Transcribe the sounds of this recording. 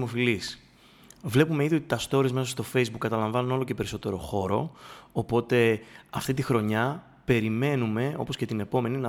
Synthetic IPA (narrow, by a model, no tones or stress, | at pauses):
mofilis | vle̞pume̞iðiot̪i̥t̪ɐst̪o̞ɾizmes̬ɐst̪o̞fe̞jzbukːɐt̪ɐlɐɱvɐnuno̞lo̞ce̞pe̞ɾiso̞t̪e̞ɾo̞̰xo̞ɾo̞ːpo̞t̪e̞ɐft̪it̪ixɾo̞ɲɐ | pe̞ɾime̞nume̞o̞̰po̞scet̪ine̞po̞me̞ninɐ